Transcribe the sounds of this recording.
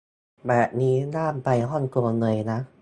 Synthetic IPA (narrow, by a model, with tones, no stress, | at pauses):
bɛː˨˩p̚niː˦˥naː˥˩˨mpa˧jɦɔ˥˩nku˧ənɯ˧˩əjna˦˥